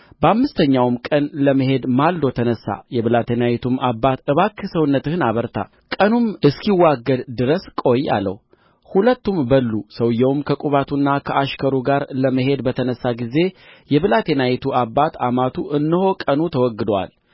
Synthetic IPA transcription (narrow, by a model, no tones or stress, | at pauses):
bəamːɨst̪ʰəɲːawmkʼənləməɦe̞d̪mald̪ot̪ʰənəsːa̰jɛβɨlat̪ʰenajit̪ʰumabːat̪ɨβakʰːɨsəwnːət̪ɨhɨnaβəɾt̪ʰa̰ | kʼənumɨskʰiwaɡːəd̪d̪ɨɾəskʼo̞jːa̰lːə̰h | hulət̪ːumbəlːusəwjɛwmkʰəkʼuβat̪ʰunːakʰəʔaʃkʰəɾuɡaɾləməɦe̞d̪bət̪ʰənəsːaɡize̞jɛβɨlat̪ʰe̞najit̪ʰuabːat̪amat̪ʰuʔɨnːɨho̞kʼənut̪ʰəwɔɡːɨd̪əwa̰l